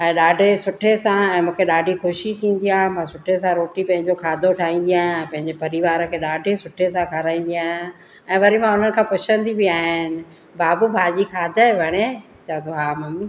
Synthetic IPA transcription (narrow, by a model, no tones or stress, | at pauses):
ɛ̃ːɗaːɖʱesʊʈʰesãɛ̃ːmũːkʰeɗaːɖʱixʊʃit̪ʰĩːn̆d̪ijaːɦemãsʊʈʰesãɾoːʈipɐ̃ɦɪ̃ɲd͡ʑokʰaːd̪ʱoʈʰaːĩːn̆d̪ijaːɦɛ̃ːpɐ̃ɦɪ̃ɲd͡ʑepɐɾiʋaːɾə̆kʰeːɗaːɖʱesʊʈʰesãkʰaɾaːĩːnd̪ijaːɦɪ̃ | ɛ̃ːʋɐɾimãʊn̤ənɪ̆kʰãːpʊt͡ɕʰə̃nd̪ibɪaːɦɪnɪ̆ | baːbubʱaːd͡ʑikʰaːd̪ʱəbʱɐɽ̃e | t͡ɕaə̃t̪ʰoɦaːmɐmi